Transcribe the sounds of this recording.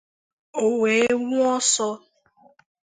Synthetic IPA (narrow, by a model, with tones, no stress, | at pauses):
o˨we˨e˦ŋʊ˦ɔ˦sɔ˦